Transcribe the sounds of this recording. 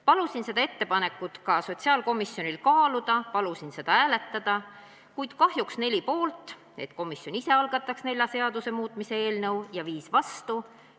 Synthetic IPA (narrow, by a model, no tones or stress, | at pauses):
pɑlusinse̞d̪ɑe̞t̪ːe̞pɑne̞kːˑut̪kɑso̞t̪ʲsiɑːlko̞misjo̞nilkɑːlud̪̥ɑpɑlusinse̞d̪ɑæːle̞t̪ːɑd̪̥ɑ | kujd̪̥kɑɦjuksne̞lʲipo̞ːlt̪ˑ | e̞̰t̪ko̞misjo̞nise̞ɑlɡ̥ɑt̪ːˑɑksne̞lʲjɑse̞ɑd̪̥use̞muːt̪ˑmise̞e̞ːlnɤwjɑviːsvɑst̪u